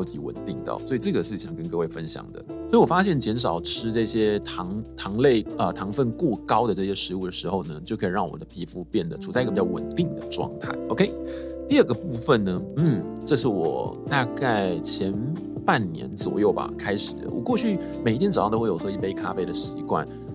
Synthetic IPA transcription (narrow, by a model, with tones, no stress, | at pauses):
ɑ˥ʊt͡ɕi˧˥wə̰˨˩nt̪i˥˩ŋt̪ə̰˥˩swɔ˧˥i˨˩ʈ͡ʂɤ˥˩ɡə˩ʂɻ̩˥˩ɕjɑ˨˩ŋkə˥nkɤ˥˧we˥˩ɪfə˥nɕjɑ̰˨˩ŋd̪ə̰˦swi˨˩wɔ˨˩fa˥ɕjɛ˥˩nt͡ɕjɛ˧˥nʂɑ˨˩ʊʈ͡ʂʰɻ̩˥ʈ͡ʂɤ˥˩ɕjɛ˥t̪ʰɑ˧˥ŋt̪ʰɑ˧˥ŋle˥˧ɪə˧t̪ʰɑ˧˥ŋfə˥˧nkwɔ˥˩kɑ˥ʊd̪ə˨ʈ͡ʂɤ˥˩ɕjɛ˥ʂɻ̩˧˥u˥˩d̪ə˩ʂɻ̩˧˥xo˥˧ʊnə˩t͡ɕjo˥˩kʰɤ˧˥i˨˩ɻɑ˥˩ŋwɔ̰˨˩d̪ə˦pʰi˧˥fu˥˧pjɛ˥˩nd̪ə˩ʈ͡ʂʰu˨˩t͡sa˥˧i˥ɡə˨pi˨˩jɑ˥ʊwə̰˨˩nt̪i˥˩ŋd̪ə˨ʈ͡ʂwɑ̰˥˧ŋt̪ʰa̰˥˩ɪʔo˧kʰe˥ɪt̪i˥˧ə˥˩ɡə˩pu˥˩fə˨nnə˩n̩˥˩ | ʈ͡ʂɤ˥˧ʂɻ̩˥˩wɔ̰˨˩t̪a˥˧ka˥˩ɪt͡ɕʰjɛ˧˥n | pa˥˩nnjɛ̰˧˥nt͡swɔ̰˨˩jo˥˩ʊba̰˨˩kʰa˥ɪʂɻ̩˨˩d̪ə̰˦wɔ̰˨˩kwɔ˥˧t͡ɕʰy˥˩ | me˨˩ɪi˥t̪jɛ˧˥n̩˥˨˩o˥˩jo˨˩xʰɤ˥˧˥i˥˩pe˥ɪkʰa˥fe˥ɪd̪ə˨ɕḭ˧˥kwa̰˥˩n